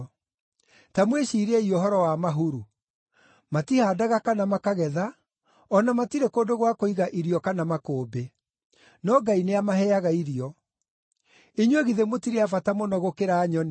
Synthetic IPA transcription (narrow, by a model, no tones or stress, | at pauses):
tamweʃiːɾɛiɔɦɔɾɔwamaɦuɾu | matihaːdaɣakanamakaɣɛða | ɔnamatiɾekoːdoɣwakoiɣaʔiɾiɔkanamakoːbe | nɔɡaineamaɦɛaɣaiɾiɔ | eɲweɣiðemotiɾeafatamonɔɣokeɾaːɲɔn